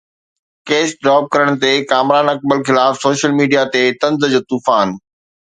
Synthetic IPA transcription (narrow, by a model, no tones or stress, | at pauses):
keːsɖɾaːp̚kɐɾəɽ̃̆t̪ekaːmɾaːnɐk̚bəlxɪlaːfsoːʃəlmiːɖijat̪et̪ɐ̃nzd͡ʑoːt̪uːfaːn